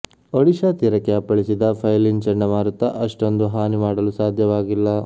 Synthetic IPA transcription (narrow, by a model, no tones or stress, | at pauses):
oɽiʃɐt̪iɾɐkeɐpɐɭisid̪ɐpʰɐjliŋt͡ʃɐɳːɐmaːɾut̪ːɐ̰ʔɐʂʈond̪uɦaːnimaːɽɐlusaːd̪ʱjɐʋaːɡilːɐ